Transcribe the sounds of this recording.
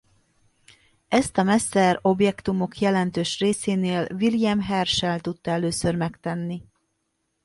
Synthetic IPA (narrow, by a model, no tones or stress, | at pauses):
ɛst̪ɒmɛsːɛɾo̞bjɛkt̪umo̞kjɛlɛnt̪øːʃreːseːneːlviljɛmɦɛrʃɛlt̪ut̪ːɒɛløːsørmɛkt̪ɛnːi